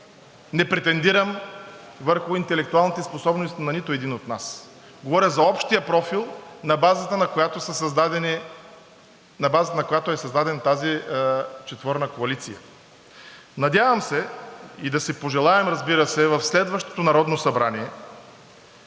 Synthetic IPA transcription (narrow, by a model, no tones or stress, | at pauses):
nɛpɾɛt̪ɛnd̪iɾəm | vəɾxʊint̪ɛlɛk̚t̪ualˠnit̪ɛsposɔbnost̪inɐnit̪oɛd̪inot̪nas | ɡovɔɾʲjɐzɐɔpʃt̪ijəpɾɔfilˠnɐbazət̪ənɐkojat̪osəsɐzd̪ad̪ɛni | nɐbazət̪ənɐkojat̪oɛsɐzd̪ad̪ɛnɐt̪azi | t͡ʃɛt̪vɤɾnəkoɐlit̪sijə̰ | nɐd̪ʲjavɐmsɛid̪ɐsɛpoʒɛlˠaɛmɾɐzbiɾəsɛvɐfslɛd̪vɐʃt̪o̥t̪onɐɾɔd̪nosɐbɾaniɛ